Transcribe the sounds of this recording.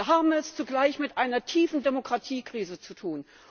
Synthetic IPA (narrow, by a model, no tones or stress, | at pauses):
ɐɦaːbm̩ɛst͡suɡlaɪçmɪtʔaɪnɐtʰiːfn̩demokʁ̥atʰiːkʁ̥iːzət͡sutʰuːn